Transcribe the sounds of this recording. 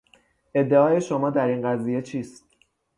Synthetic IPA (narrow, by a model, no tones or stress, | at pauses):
ʔe̞d̪ːe̞ɒːje̞ʃo̞mɒːd̪æɾiːnɢæziːje̞t͡ʃʰiːst̪